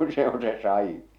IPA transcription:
se on se sɑĩː

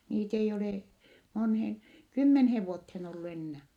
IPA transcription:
niːt ei oleˑ monheːŋ kymːenheːʋ ʋuotheːn olːu enːæː

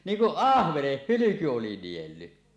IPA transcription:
niːŋ kuʔ ʔɑhʋeneh hylyku oli nielːy

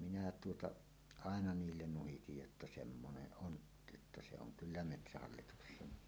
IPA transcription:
minæ tuotɑ ɑˑenɑ niːlːen nuhitij jotːɑ semːoneʔ ʔon jotːɑ se oŋ kylːæ metsæhɑlːituksen

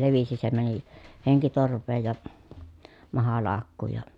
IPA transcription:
leʋisi se mæni heŋkitorʋˑeːj jɑ mɑhɑlɑːkːuːj jɑ

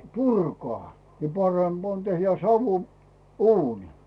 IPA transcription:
purkŏɑˑ jɑ pɑremb̥ on tehjæ sɑʋu uːni

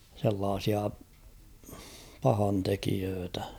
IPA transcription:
selːɑːsiɑ pɑhɑntekiøːtæ

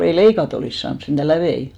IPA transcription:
ei leikɑt oliˑs sɑːns sentæ læʋei

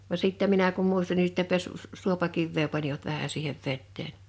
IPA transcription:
ʋɑ siˑtːæ minæ kum muistɑn ni sitːe pesː s suopɑkiʋːeː pɑniʋɑt ʋæhæ siːheʋ ʋetːeːn

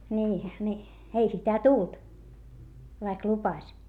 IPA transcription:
niː ni ei sitæ tult ʋɑik lupɑsʲ

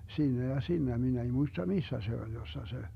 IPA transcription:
siːnæ jɑ siːnæ min ei muistɑ misːæ se olʲ josːɑ se

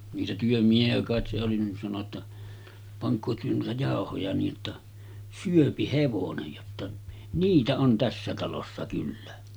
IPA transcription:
niːtæ tyømiehiæ kɑˑet se oli nin sɑno tːɑ pɑŋkˑoː tyø nuitɑ jɑˑohojɑ niː ʔotːɑ syøpi heʋonej jotːɑ niːtæ on tæsːæ tɑlosːɑ kylːæ

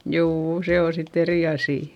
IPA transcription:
juːu se o sitː eri ɑsiˑ

